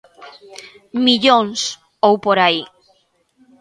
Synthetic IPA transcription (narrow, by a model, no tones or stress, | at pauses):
miʎõŋs | owpoɾai